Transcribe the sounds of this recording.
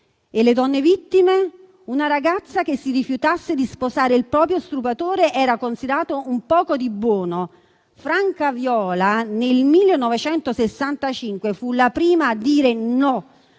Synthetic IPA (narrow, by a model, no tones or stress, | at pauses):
eled̪ɔnːevit̪ːime | unaɾaɡat̪sːak̟esːirifjut̪asːed̪isposaːɾeilpɾɔːp̬ɾjost̪ɾupat̪oːɾeʔɛːɾakonsid̪ɾaːt̪oumpɔːkod̪ibwɔːno | fɾaŋkavjɔːlanelmilːenɔvet͡ʃɛnt̪osesːant̪at͡ʃiŋkwefulapɾiːmaːd̪ːiːɾenɔ